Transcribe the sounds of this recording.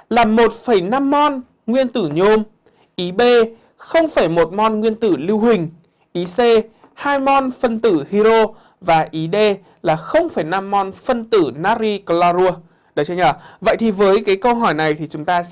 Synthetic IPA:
laː˨˩mo˨˩t̚fə˧˩jna˧mːɔ˧n | ŋwi˧ənt̪ɨ˧˩ɲo˨˦m | ʔi˨˦ɓe˧ | xə˧wŋ͡mfaː˧˩jmo˨˩t̚mɔ˧nŋwi˧ənt̪ɨ˧˩li˧whï˨˩ŋ̟ | ʔi˨˦se˧ | haː˧jmɔ˧nfə˧nt̪ɨ˧˩hi˧ɾo˧ | vaː˨˩ʔi˨˦ɗe˧ | laː˨˩xə˧wŋ͡mfaː˧˩jna˧mːɔ˧nfə˧nt̪ɨ˧˩naː˦˥ɾi˧klaː˧ɾu˧ə | ɗə˨˦t͡ɕɔ˧ɲəː˨˩və̰˧˨jt̪ʰi˨˩vəː˨˦jkaː˨˦jkə˧wɦɔ˧˩jna˨˩jt̪ʰi˨˩t͡ɕʊ˨˦ŋ͡mt̪aː˧

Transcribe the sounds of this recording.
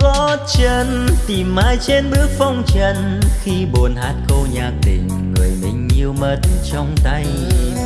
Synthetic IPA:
kɔ˨˦t͡ɕə˧˩nt̪i˨˩mːaː˧˦jt͡ɕe˧nɓɨ˦˥ək̚fɔ˧wŋ͡mt͡ɕə˧n | xi˧ɓo˨˩ənhaː˦˥t̚ko˧ɲaː˨˩k̚t̪i˨˩ŋ̟ | ŋɨ˨˩əjmḭ̈˨˩ŋ̟ɲi˨˧əwmə˧˥t̚t͡ɕɔ˧wŋ͡mt̪a˧j

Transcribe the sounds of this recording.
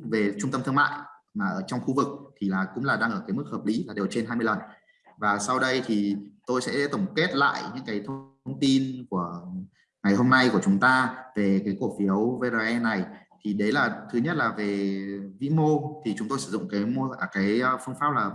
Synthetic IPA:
ve˨˩t͡ɕʊ˧ŋ͡mt̪ə˧mt̪ʰma̰ː˧˨jmaː˨˩ʔəː˧˩t͡ɕɔ˧wŋ͡mxu˧vɨ˨˩k̚t̪ʰi˨˩laː˨˩kʊ̰˧˥ŋ͡mlaː˨˩ɗaː˧ŋʔəː˧˩kaː˨˦jmɨ˦˥k̚həː˨˩p̚li˨˦laː˨˩ɗe˨˩wt͡ɕe˧nɦaː˧jmɨ˧əjlə˨˩n | vaː˨˩sa˧wɗə˧jt̪ʰi˨˩t̪o˧jsɛ̰˧˥˧t̪ə˧˩wŋ͡mke˦˥t̚la̰ː˧˨jɲɨ̰˧˥ŋkaː˨˦jt̪ʰə˧ | wŋ͡mt̪i˧nku˧˩ə | ŋa˨˩jɦo˧mna˧jku˧˩ət͡ɕʊ˨˦ŋ͡mt̪aː˧ve˨˩kaː˨˦jku˧˩fi˨˦ə˦wve˧za˧ʔɛ˧nːa˨˩jt̪ʰi˨˩ɗə˨˦jlaː˨˩t̪ʰɨ˨˦ɲə˦˥t̚laː˨˩ve˨˩vḭ˧˥mo˧t̪ʰi˨˩t͡ɕʊ˨˦ŋ͡mt̪o˧jsɨ˧˩zʊ̰˧˨ŋ͡mkaː˨˦jmo˧əː˧˩kaː˨˦jfɨ˧əŋfaː˦˥p̚laː˨˩

